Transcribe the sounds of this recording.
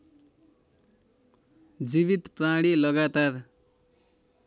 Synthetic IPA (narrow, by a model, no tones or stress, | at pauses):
d͡ziβit̪praɽilʌɡat̪ar